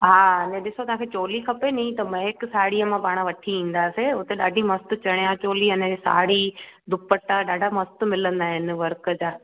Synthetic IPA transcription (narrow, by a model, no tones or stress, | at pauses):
ɦaːɐnẽɗɪsot̪ɐɦãŋkʰet͡ɕoːlikʰɐpeniĩt̪ɐmɐ̃ɦɪksaːɽijəmãpaːɽ̃əʋɐʈʰiĩːn̆d̪aːseʊt̪eɗaːɖʱimɐst̪ʊ̆t͡ɕɐɽ̃jãt͡ɕoːliɐnə̃d͡ʑesa̰ːɽid̪ʱʊpəʈaɗaːɖʱamɐst̪ʊmɪlə̃nd̪aːɦɪnɪ̆ʋɐɾkəd͡ʑaː